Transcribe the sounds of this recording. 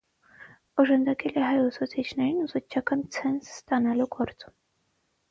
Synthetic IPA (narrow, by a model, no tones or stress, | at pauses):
ɔʒɑnd̪ɑkʰɛlɛɦɑjusut͡sʰit͡ʃʰnɛɾinuzut͡ʃʰɑkɑnt͡sʰɛnsst̪ɑnɑluɡɔɾt͡sum